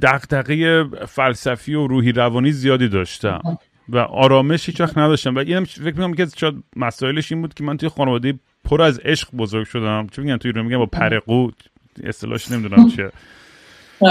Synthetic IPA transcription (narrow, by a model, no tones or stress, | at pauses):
d̪̥æɣd̪æɣejefælsæfioɾuːɦiːɾævɒːniːzijɒːd̪iːd̪ɒːʃt̪æ̰m | væ̰ʔɒ̰ːɾɒːme̞ʃhiːt͡ʃvæxt̪næd̪ɒʃt̪æmvæiʔiːnæmfecɾmikonæmjecʰiæzt͡ʃʰjæd̪̚mæsɒːje̞le̞ʃiːnbuːd̪̥̚kʰʲe̞mænt̪ujexɒːnevɒːd̪eje | pʰoɾæze̞ʃɢbozoɾɡʲʃod̪æmt͡ʃʰemeɟænt̪ʰujiːɾunmeɟæmbɒːpʰæɾeɡuː | est̪elɒ̰hʃne̞mid̪unæmt͡ʃʰe